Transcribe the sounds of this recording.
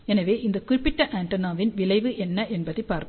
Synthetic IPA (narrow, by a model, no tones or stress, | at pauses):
ɛnɐʋeːʔɪnd̪ɐkʊɾɪpːɪʈːɐʔaːɳʈɐnaːʋɪnʋɪlɐɪʋɯʔɛnːɐʔɛnbɐðɐɪpːaːɾk